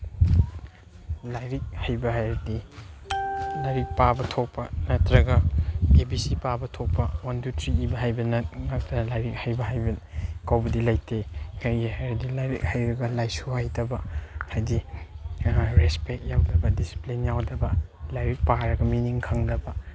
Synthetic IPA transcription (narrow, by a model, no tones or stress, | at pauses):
lajɾik̚hajbɐhajɾɐdi | laɾik̚pabɐtʰok̚pɐnɐtɾɐɡɐebisipabɐtʰok̚pɐwandutʰɾiibɐɦajbɐnɐŋɐk̚tɐlajɾik̚hajbɐɦajbɐkawbɐdilajtekʰajhajɾɐdilajɾik̚hajɾɐɡɐlajsuhajtɐbɐhajdi | ɾespek̚jawdɐbɐdisi̥plinjawdɐbɐlajɾik̚paɾɐɡɐminiŋkʰɐŋdɐbɐ